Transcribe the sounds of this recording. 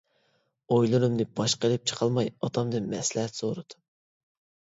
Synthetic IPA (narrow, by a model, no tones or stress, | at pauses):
ojlˠɨɾɨmd̪ɨb̥ɑʃqəelɪp̚t͡ʃʰə̥qʰɑlˠmɑjɑt̪ʰɑmd̪ɨnmɛslɪɦɛt̪z̥oɾɨd̪̥u